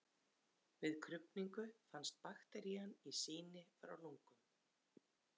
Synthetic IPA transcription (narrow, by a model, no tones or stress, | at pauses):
vɪðkʰɾʏpniŋkʏfanst̪̚paxt̪ɛɾianisiːnɪfɾa̰wluŋkʏm